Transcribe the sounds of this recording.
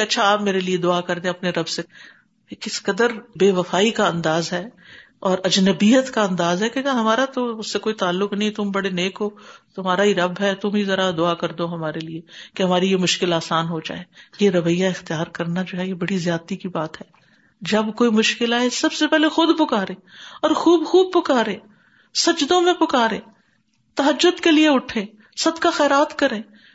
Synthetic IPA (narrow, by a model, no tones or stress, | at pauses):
ɐtːʃʰaaːpmeːɾelied̪ʊakɐɾd̪ẽɐpneɾɐbse | ekɪskɐd̪əɾbeːʋɐfaːikaɐ̃nd̪aːzɦɛː | ɔːɾɐd͡ʒnɐbiːɦət̪kaɐ̃nd̪aːzɦɛkekaɦɐmaːɾat̪oʊsːekoːit̪aːlːʊknɐɦĩt̪ʊmbɐɽeneːkɦoːt̪ʊɦm̤aːɾaɦiɾɐbɦɛt̪ʊmɦizɐɾad̪ʊakɐɾd̪oːɦɐmaːɾeliekeɦɐmaːɾijemʊʃkɪlaːsaːnɦod͡ʒa̰ːeːjeɾɐʋəjːaɪxt̪ijaːɾkɐɾnad͡ʒoːɦɛjebɐɽizjaːd̪̚t̪ikibaːt̪ɦɛː | d͡ʒɐbkoːimʊʃkɪlaːɦesɐbsepɛɦlexʊd̪pɐkaːɾẽːɔːɾxuːbxuːb̚pɐkaːɾẽː | sɐd͡ʒd̪õmẽpɐkaːɾẽː | t̪ɐɦəd͡ʒːʊd̪kelieʊʈʰẽː | sɐd̪kaxɛːɾaːt̪kɐɾẽː